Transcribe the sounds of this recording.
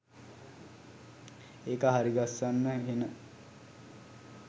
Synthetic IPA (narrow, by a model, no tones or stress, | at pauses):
eːkəɦaɾiɡasːanːəɦenə